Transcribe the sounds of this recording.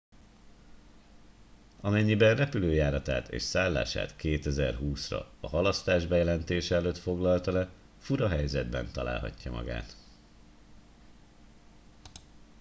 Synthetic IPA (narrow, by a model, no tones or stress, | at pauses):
ɒmɛɲːibɛnrɛpyløːjaːɾɒt̪a̰ːt̪ḛːʃsaːlːa̰ːʃa̰ːt̪keːt̪ɛzɛrɦuːsrɒ̰ɒɦɒlɒst̪aːʒbɛjɛlɛnt̪eːʃɛɛløːt̪fo̞ɡlɒlt̪ɒlɛ | fuɾɒɦɛjzɛd̪bɛ̰nt̪ɒla̰ːlɦɒ̰cːɒmɒ̰ɡa̰ːt̪